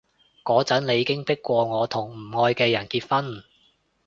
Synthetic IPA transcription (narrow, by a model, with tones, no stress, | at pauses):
kɔː˨˥t͡sɐ˨˥nle˨˧jiː˧kɪ˥ŋpɪ˥kːʷɔː˧ŋɔː˨˧t̪ʰʊ˨˩ŋm̩˨˩ŋɔː˧jkɛː˧jɐ˨˩nkiː˧t̚fɐ˥n